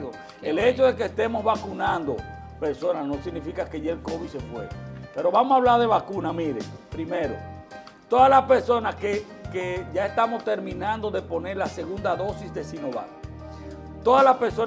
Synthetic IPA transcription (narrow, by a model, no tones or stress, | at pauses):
ðo | elet͡ʃo̞ðe̞kest̪e̞mo̞zβakunãnd̪o̞̰ | peɾso̞nasnosiɣnifikakeʝelkoβisefwḛpe̞ɾo̞βamosaβlaɾðe̞βakunamiɾḛpɾimeɾo̰ | t̪o̞ðalaspeɾso̞naske | keʝaest̪amost̪e̞ɾmĩnãnd̪o̞ðe̞po̞ne̞ɾlase̞ɣund̪aðo̞sisðe̞sinoβa̰t̪ | t̪oðazlaspe̞ɾso